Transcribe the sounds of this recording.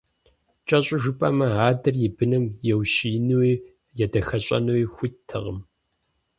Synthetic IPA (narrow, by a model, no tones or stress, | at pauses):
t͡ʃʼɐɕʼɪʒɨpʼɐmɐaːdɨrjɪbɨnɨmjɛwʃiːnɨwiː | jɛdɐxɐɕʼɐ̰nɨwixʷʊtʰːɨ̰ʁəm